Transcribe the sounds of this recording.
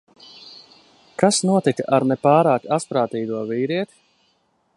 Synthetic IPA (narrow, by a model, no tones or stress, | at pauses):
kasnuɔt̪ikaʔaɾnɛpaːɾaːkaspɾaːt̪iːd̪uɔviːɾiɛt̪i̥